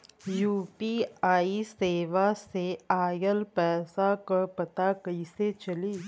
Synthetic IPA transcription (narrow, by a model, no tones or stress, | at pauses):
juːpiaːiseːʋaseaːjəlpɛːsakəpɐt̪akɐiset͡ʃɐliː